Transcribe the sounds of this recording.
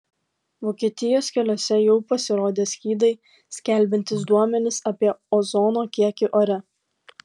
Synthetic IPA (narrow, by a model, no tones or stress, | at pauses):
ʋoːkʲiɛt̪ʲɪjoːskʲɛlʲoːsʲɛjɛʊpɐsʲɪɾoːd̪ʲeːsʲkʲiːd̪ɐɪ | sʲkʲɛˑlʲbʲɪnʲt̪ʲɪsd̪uɔmʲɛnʲɪsɐpʲiɛɔzɔːnoːkʲiɛkʲɪʔoɾʲɛ